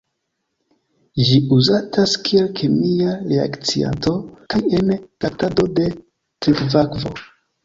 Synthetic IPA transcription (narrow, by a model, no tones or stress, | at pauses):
ʒiuzatʰaskielkʰemiaɾea̰kt͡sia̰nto̞kaje̞nɡ̥atado̞de̞ | tɾikvakvo̞̰